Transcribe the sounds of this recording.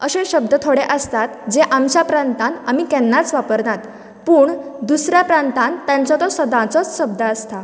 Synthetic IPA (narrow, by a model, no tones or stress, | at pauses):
əsẽɕəb̚d̪ət̪ʰoɽeʔəst̪at̪d͡zeʔamt͡ɕjapɾãnt̪ãnamiːkɛnːat͡sʋapəɾnat̪ | puːɳd̪usɾjapɾant̪ãnt̪ːjãɲt͡sɔt̪ɔsəd̪ãt͡sɔt͡sɕəb̚d̪əəst̪a